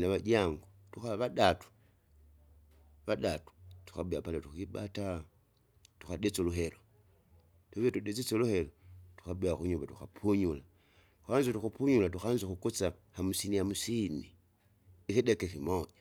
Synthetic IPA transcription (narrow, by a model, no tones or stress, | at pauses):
naβaɟaŋɡotuxaβadatu̥ | βadatu̥tu̥xabujapaletuxibata | tuxadet͡soluɦelo | tuβetuɗet͡set͡soluhe̞lotu̥xabujaxuɲuβatuxapʰuɲula | tu̥xaːnzotuxupuɲulatuxaːnzoxukut͡sahamusinihamusini | ixidekekimoɟa